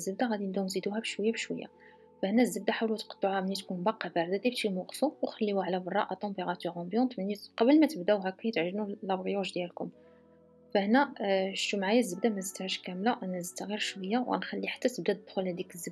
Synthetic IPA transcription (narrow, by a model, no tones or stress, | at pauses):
zːəbd̪aɣæd̪ind̪umnzid̪uhæbəʃwəjːæbʃwə̰jːa̰ | fæhnæzːəb̚d̪aħawlut̪qɑ̥t̪ˤːuhæmnit̪kunbɑqːɑbæʕd̪æd̪ibʃimuqsuwxəlːiwuʕlæbərˤːɑʔæt̪ɑ̃mbeʁɑt̪yʁɑ̃bjɑ̃nt̪mənːiqɑbəlmæt̪əbd̪æwɦækːæjət̪ʕʒnulæbɣjuʒd̪jælkʊm | fæhnæʃt̪umʕajæzːəbd̪æmæzit̪hæʃkæmlaʔænæzt̪ːaɣiɾʃwəjːawæ̰nxælːiħḁt̪ːæt̪əb̚d̪æd̪̚bxulhæd̪ikəzːəb